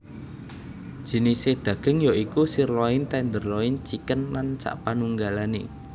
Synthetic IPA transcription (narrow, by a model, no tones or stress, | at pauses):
ʒ̥i̤nised̪̥ä̤ɡ̥ə̤ŋjoʔikusirlɔɪnt̪ɛnd̪ərlɔɪnt͡ʃikənlant͡ʃa̰ʔpanuŋɡalanḛ